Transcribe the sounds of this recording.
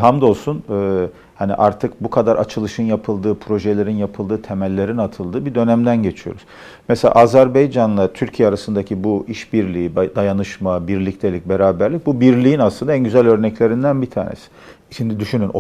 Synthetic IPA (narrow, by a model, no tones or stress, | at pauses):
ɦamd̪o̞lˠsunɯː | hanḭʔaɾt̪ʰɯkbukʰad̪aɾʔa̰t͡ʃʰɯlˠɯʃɯnjapʰɯlˠd̪ɯːpʰɾo̞ʒelʲe̞ɾinjapʰɯlˠd̪ɯːt̪ʰemælʲːe̞ɾinat̪ʰɯlˠd̪ɯːbid̪ø̞næmd̪ænɟe̞t͡ʃʰijoɾuz̥ | mɛselʲa̰ʔazæɾbejd͡ʒanlˠat̪ʰyɾcʰijɛaɾasɯnd̪acʰibuiʃbiɾlʲiid̪ajanɯʃmabiɾlʲict̪ʰe̞lʲic̚be̞ɾaːbæɾlʲic̚bubiɾlʲiːinaslˠɯnd̪aænɟyzælʲø̞ɾnɛclʲe̞ɾind̪ænbit̪ʰa̰ːnḛsi̥ | ʃimd̪id̪yʃynyno